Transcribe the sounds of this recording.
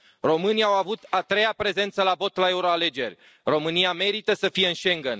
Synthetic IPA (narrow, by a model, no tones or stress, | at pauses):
ro̞mɨniawavut̪at̪ɾe̞japɾe̞ze̞nt̪səlavo̞t̪lae̞uɾo̞ale̞d͡ʒe̞rʲ | ro̞mɨnijame̞ɾit̪əsəfije̞ɨnʃe̞ŋɡən